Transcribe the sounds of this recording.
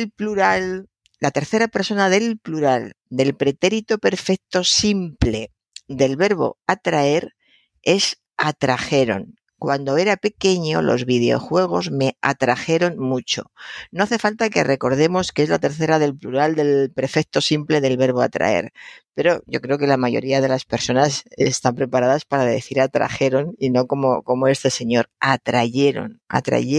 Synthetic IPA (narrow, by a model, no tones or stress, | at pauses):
elpluɾal | lat̪e̞ɾθe̞ɾape̞ɾso̞naðe̞lpluɾal | d̪e̞lpɾe̞t̪e̞ɾit̪ope̞ɾfek̚t̪o̞simple̞ | d̪e̞lβe̞ɾβ̞o̞̰at̪ɾae̞ɾ | e̞s | at̪ɾaxe̞ɾo̞̰ŋ | kwand̪o̞e̞ɾape̞ke̞ɲo̞lo̞̰zβiðeo̞̰xwe̞ɣ̞o̞zme̞a̰t̪ɾaxe̞ɾo̞nmut͡ʃo̞̥̰no̞aθe̞falt̪ake̞re̞ko̞ɾð̞e̞mo̞skee̞zlat̪e̞ɾθe̞ɾaðe̞lpluɾald̪e̞lpɾe̞fe̞k̚t̪o̞simple̞ðe̞lβe̞ɾβo̞a̰t̪ɾa̰e̞̰ɾpe̞ɾo̞ʝo̞̰kɾe̞oke̞lamaʝo̞̰ɾiað̞e̞laspe̞ɾso̞nasest̪ampɾe̞paɾaðaspaɾaðe̞θiɾat̪ɾa̰xe̞ɾo̞nino̞ko̞mo̞ko̞moe̞st̪e̞se̞ɲo̞ɾat̪ɾaʝe̞ɾo̞̰na̰t̪ɾa̰ʝe